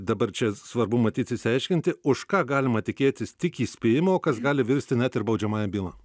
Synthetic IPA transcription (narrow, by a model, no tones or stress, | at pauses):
d̪ɐbɐrt͡ʃʲɛsʋɐɾbʊmɐt̪ʲiːt̪sʲɪsʲɪɛɪʃʲkʲɪnt̪ʲɪʊʃkɑːɡɑːlʲɪmɐt̪ʲɪkʲeːt̪ʲɪst̪ʲɪkiːsʲpʲeːjɪmɐoːkɐsɡɑːlʲɪʋʲɪɾʲsʲt̪ʲɪnʲɛt̪ɪɾbɒʊd͡ʒʲɛmɑːjɛbʲiːlˠɐ